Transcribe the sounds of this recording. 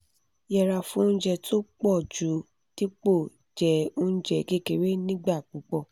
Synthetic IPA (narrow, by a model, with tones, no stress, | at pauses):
jɛ˧ɾa˧fũ˦n̩˦d͡ʒɛ˧tʰo˦k͡pɔ˦˨d͡ʒu˨˦ | ti˦k͡po˦˨ | d͡ʒɛ˨˦ũ˦n̩˦d͡ʒɛ˧˨ke˦ke˧˨ɾe˦nĩ˦ɡ͡ba˦˨k͡pũ˨˦k͡pɔ˦˨